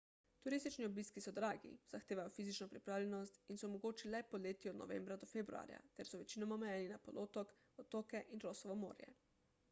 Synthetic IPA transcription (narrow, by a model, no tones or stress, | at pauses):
t̪uɾist̪it͡ʃniɔbiskisɔd̪ɾaːɡḭz̥axt̪eːʋajɔfiːzit͡ʃnɔpɾipɾaːwlʲɛnɔst̪insɔmɔɡoːt͡ʃilɛpɔleːt̪iɔd̪nɔ̰ʋḛːmbɾad̪ɔfebɾṵa̰ːɾja̰t̪ɛɾsɔʋɛt͡ʃiːnɔmaɔmɛjɛːninapɔlʔoːt̪ɔk | ɔt̪oːkɛʔinɾoːsɔʋɔmo̰ːɾjɛ̰